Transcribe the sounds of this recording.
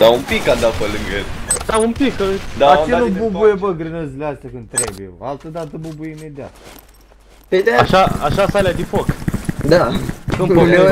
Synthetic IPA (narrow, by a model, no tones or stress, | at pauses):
d̪aumpikːand̪apelɨŋɡəjḛld̪̥aumpikəd̪aeanububujebəɡɾɨnəzileast̪ʲjakɨnd̪̚t̪ɾebujḛo̰alt̪əd̪at̪əbubujeime̞d̪ia̰t̪ | ped̪aʃaaʃasalead̪ifo̞kd̪akɨmpoe